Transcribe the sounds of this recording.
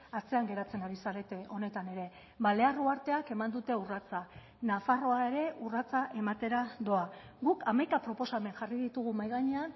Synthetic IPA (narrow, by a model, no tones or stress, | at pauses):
at͡se̞aŋɡe̞ɾat͡se̞naɾisaɾe̞t̪e̞ʔo̞ne̞t̪ane̞ɾe̞ | βale̞aruaɾt̪e̞ake̞mand̪ut̪e̞urat͡sa | nafaro̞ae̞ɾe̞ʔurat͡saʔe̞mat̪e̞ɾad̪o̞aɡukamajkapɾo̞po̞same̞ŋʝariðit̪uɣumajɣaɲe̞an